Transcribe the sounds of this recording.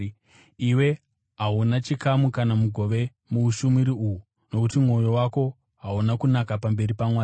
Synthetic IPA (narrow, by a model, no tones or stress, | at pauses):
iwe̞ | ɦaunat͡ʃikamukanamuɡʱo̞ʋe̞ | muuʃumiɾiuɦu | no̞kutimo̞jo̞wako̞ | ɦaunakunakapambe̞ɾipamwaː